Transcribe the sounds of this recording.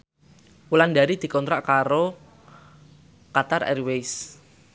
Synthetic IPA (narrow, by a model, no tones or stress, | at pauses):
wulandaɾid̪̥i̤kɔnt̪ɾaʔkaɾo | kat̪arɛ̰rwejs